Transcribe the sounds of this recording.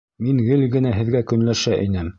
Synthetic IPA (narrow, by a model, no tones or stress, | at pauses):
miŋɡɘlɡɘ̆næɦɘ̆ðɡækɵ̆nlæʃæʔinɘm